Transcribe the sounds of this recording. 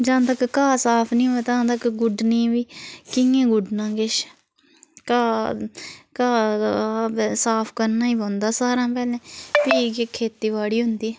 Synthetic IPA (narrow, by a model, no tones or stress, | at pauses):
d͡ʒãːnt̪əkkaːsaːpʰnĩːoet̪ãːt̪əkɡʊɖniːʋiːkɪŋẽːɡʊɖnãːkɪʃ | kaː | kaː | saːpʰkəɾnaːiːbõːnd̪aːsaːɾãːpɛːlẽːpiːɡekʰeːt̪iːʋaːɽiːɦʊnd̪iː